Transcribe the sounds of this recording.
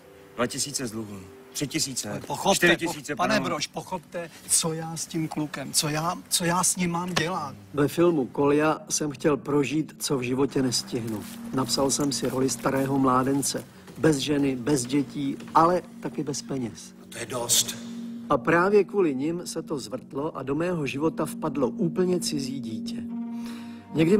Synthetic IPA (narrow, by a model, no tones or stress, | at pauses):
dvacɪsiːt͡sɛzluɦ | t̪r̥ɪcɪsiːt͡sɛoxot̪ɪɾɪɪiːt͡sɛpanɛbɾoʃpoxopt̪ɛ | t͡sojaːscimklukɛmt͡sojaːt͡sojaːsɲɪmːaːmɟɛlat̪vɛfɪlmuko̞lɪjasɛmxcɛlpɾo̞ʒiːt̪t͡so̞vʒɪvo̞cɛnɛscɪɦnunapsalsɛmsɪɾo̞lɪst̪aɾɛːɦo̞mlaːdɛnt͡sɛ | bɛzʒɛnɪbɛzɟɛciːʔalɛt̪akɪbɛspɛɲɛs | t̪ojɛdost̪ʔapɾaːvjɛkvuːlɪɲɪmsɛt̪o̞zvr̩t̪lo̞ʔa̰do̞mɛːɦo̞ʒɪvo̞t̪afpadlo̞ʔuːpl̩ɲɛt͡sɪziːɟiːcɛ | ɲɛɡdɪ